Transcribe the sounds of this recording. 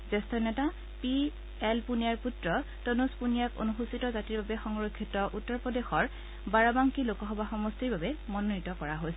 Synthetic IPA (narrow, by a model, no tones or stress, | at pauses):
zɛstʰɔnɛta | pi | ɛlpunijaɹputɹɔ | tonuspunijako̰nuxusitɔzatiɹbabɛxɔŋɹokʰːitɔʔutːɔɹpɔdexɔɹ | baɹabaŋkilokɔɦɔbaxɔmɔstiɹbabɛmɔnonitɔkɔɹaɦojsɛ